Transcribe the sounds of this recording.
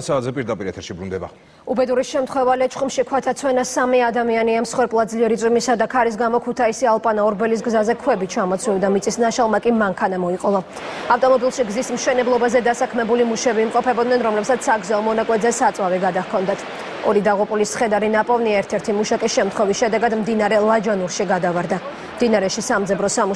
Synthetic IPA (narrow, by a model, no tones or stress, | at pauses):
saːt̪zɛpʼiɾd̪apʼiɾɛt̪ʰɛɾʃibɾund̪ɛba̰ | ubɛd̪uɾiʃɛmt̪ʰχwɛvalɛt͡ʃʰχumʃikʰwat̪ʰat̪sʰwɛnasamiad̪amianiamsχwɛɾpʼlˠad̪zliɛɾit̪sʼwimisad̪akʰaɾis̬ɡamɔkʰut̪ʰaisialˠpʼanaɔɾbɛlis̬ɡzazɛkʰwɛbit͡ʃʰamɔt̪sʰlivd̪amit̪sʼisnaʃalˠmakʼimaŋkʰanamɔiqʼɔva | aft̪ʼɔmɔbilˠʃiɡzismʃɛnɛblˠɔbazɛd̪asakʰmɛbulimuʃɛbiːmqʼɔpʰɛbɔd̪nɛnɾɔmlɛpsat̪sʰsːaɡzaɔmɔnakʼwɛd̪zɛsat̪sʼwavɛɡad̪ahkʰɔnd̪at̪ʰ | ɔɾid̪aʁupʼulisχɛd̪aɾinapʼɔvniaɛɾt̪ʰɛɾt̪ʰimuʃakʼisʃɛmt̪χwɔvisʃɛd̪ɛɡad̪md̪inaɾɛlˠad͡ʒanuɾʃiɡad̪avaɾd̪a | md̪inaɾɛʃisamd̪zɛbɾɔsamu